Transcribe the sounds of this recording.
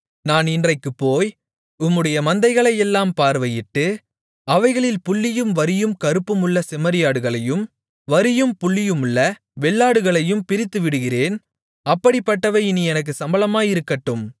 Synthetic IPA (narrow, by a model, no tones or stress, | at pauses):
naːnɪndrɐɪkːɯpːoːj | ʊmːɯɽɐjɐmɐnd̪ɐɪɣɐɭɐjɛlːaːmpaːɾʋɐjɪʈːɯ | ɐʋɐɪɣɐɭɪlpʊɭːɪjɯmʋɐɾɪjɯmkɐɾɯpːɯmɯɭːɐsɛmɐɾɪjaːɽɯɣɐɭɐjɯm | ʋɐɾɪjɯmpʊɭːɪjɯmɯɭːɐ | ʋɛɭːaːɽɯɣɐɭɐjɯmpɪɾɪt̪ːɯʋɪɽɯɣɪreːn | ɐpːɐɽɪpːɐʈːɐʋɐɪɪniɛnɐk̬ːɯsɐmbɐlɐmaːjɪɾɯkːɐʈːɯm